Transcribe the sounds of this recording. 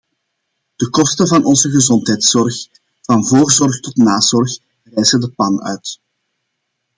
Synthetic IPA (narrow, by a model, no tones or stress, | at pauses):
d̥əkɔstəvɑnʔɔnzəɣəzɔntɦɛjtsɔrx | v̥ɑnvoːrzɔrxtɔtnaːz̥ɔrx | rɛjzədəpɑnœ̰ɥt